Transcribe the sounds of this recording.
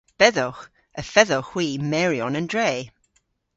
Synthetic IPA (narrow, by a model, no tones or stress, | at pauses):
b̥ɛðɔχ | əfɛðɔχw̥iːmɛɹjɔnəndɹeː